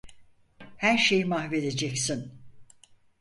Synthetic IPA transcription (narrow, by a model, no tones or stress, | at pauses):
hæɾʃe̞jmahve̞d̪e̞d͡ʒɛcsin